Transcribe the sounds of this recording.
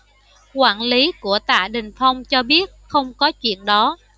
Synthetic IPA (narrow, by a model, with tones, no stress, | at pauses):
kwaː˧˩nli˨˦ku˧˩ət̪a̰ː˧˨ɗï˨˩ŋ̟fa˧wŋ͡mt͡ɕɔ˧ɓi˦˥ət̚xə˧wŋ͡mkɔ˨˦t͡ɕwḭ˧˨ənɗɔ˨˦